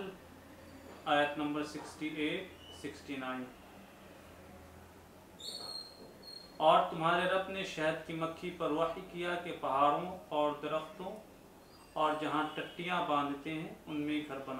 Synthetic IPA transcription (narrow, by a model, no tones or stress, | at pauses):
l | aːjət̪nɐ̃mbəɾsɪksʈieːʈ | sɪksʈinaːɪn | ɔːɾt̪ʊmɦaːɾeɾɐbneʃɛɦəd̪kimɐkʰːipɐɾwaːɦikijakepɐɦaːɾõɔːɾd̪ɐɾəxt̪õ | ɔːɾd͡ʒɐɦãʈɐʈːijãbãːnd̪ʱt̪eɦɛ̃ʊnmẽɡʱɐɾbɐna